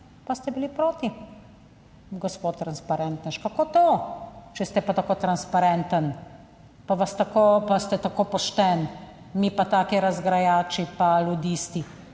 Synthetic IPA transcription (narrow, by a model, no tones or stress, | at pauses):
past̪ɛbilipɾoːt̪i | ɡɔspoːt̪ːɾanspaɾɛnt̪nəʃkakoːt̪ot͡ʃɛst̪ɛpat̪akot̪ɾanspaɾɛnt̪ən | paʋast̪akopast̪ɛt̪akoːpɔʃt̪ɛn | mipat̪aːkiɾɐzɡɾajaːt͡ʃipalud̪iːst̪i